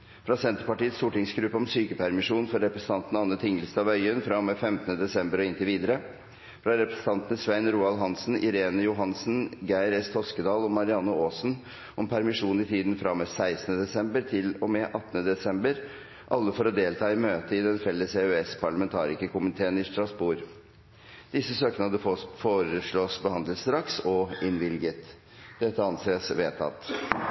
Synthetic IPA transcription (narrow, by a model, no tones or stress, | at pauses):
fɾɑːsɛnt̪əɾpɑʈiːət̪st̪uːʈɪŋsɡɾʉpːəɔmsyːkəpʰæɾmɪʂuːnfɔɾɾɛpɾɛsə̥n̩ɑnt̪ən̩ɑnːət̪ʰɪŋːəlst̪ɑːʋœʏənfɾɑmɛfɛmt̪ənəd̪ɛsɛmbəɾɔɪnt̪əɾʋiːd̪əɾə | fɾɑːɾɛpɾɛ̥sn̩ɑnt̪ənəsʋæɪnɾuːɑlɦɑnsn̩ɪ̰ɾeːnəjʊɦɑnsn̩ɡæɪɾɛst̪hɔskəd̪ɑːlɔmɑɾɪɑnːəoːsn | ʔɔmpʰæɾmɪʂuːnɪt̪ʰiːd̪n̩fɾɑmɛsæɪsn̩əd̪ɛsɛmbəɾʈ̪ʰɪlɔmɛʔɑt̪ːənəd̪ɛsɛmbəɾ | ʔɑlːəfɔɾɔd̪eːlt̪ʰɑːɪmøːt̪əɪd̪ɛnfɛlːəseʉɛspʰɑɭɑmɛnt̪ʰɑ̰ːɾɪkəkʰʊmɪt̪ʰeːənɪst̪ɾɑsbuɾ | d̪̥ɪsːəsøːknɑd̪əfoːɾəʂɭɔːsbəhɑnd̪lət̪st̪ɾɑksɔɪnʋɪlɡət̪ | d̪̥ɛt̪ːəɑnseːsʋeːt̪ʰɑ̰t̪ː